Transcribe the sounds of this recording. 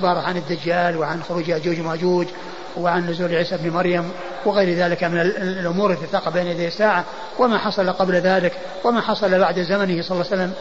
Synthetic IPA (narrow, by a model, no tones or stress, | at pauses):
bɑːɾˤɑʕanɪd̪ːad͡ʒːaːlwɪʕanxʊɾuːd͡ʒhad͡ʒuːd͡ʒmad͡ʒuːd͡ʒ | wɪʕannʊzuːlʕiːsabnmɑɾjam | wɪɣejɾðaːlɪkamɪnɪlʔʊmuːɾɪlit̪ɪt̪aːqɑbeːnhad̪eːɪsːaːʕa | wɪmaħɑsˤɑlaqɑblðaːlɪk | wɪmaħɑsˤɑlabaʕd̪zamanɪhsˤɑlːsalːam